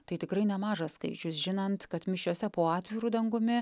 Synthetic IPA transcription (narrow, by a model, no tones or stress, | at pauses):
t̪ɐɪt̪ʲɪkɾɐɪnʲɛmɑːʒɐsskɐɪt͡ʃʲʊsʒʲɪnɐnt̪kɐt̪mʲɪʃʲoːsʲɛpoːɑːt̪ʲʋʲɪɾuːd̪ɐŋɡʊmʲɪ